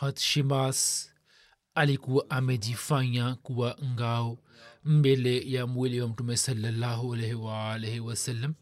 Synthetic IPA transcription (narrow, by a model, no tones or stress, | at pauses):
hɐt̪ʃimaːs | ɐlikuwʔɐmedifãjãkuwaŋɡaːw | m̩belejamuiliwɐmʈumesɐlːɐlːaːɦuɐleɦewaleɦewɐsɐlːɐm